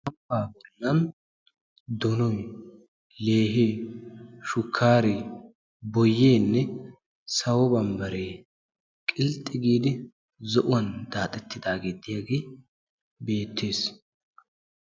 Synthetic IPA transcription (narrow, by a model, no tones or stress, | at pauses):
ɐmpaːbɪnːɐn | d̪ɔnɔj | le̞ːɦeː | ʃʊkʰːaːɾe | bɔjːeːnːɛ | sɐwɔbɐmbɐɾeː | kʼɪlt̪ʼːɪɡiːd̪ɪ | zɔʔʊwɐnd̪aːt̪ʼɛt̪ʰːɪd̪aːɡeːd̪ɪjaːɡeː | beːt̪ʰːe̞ːs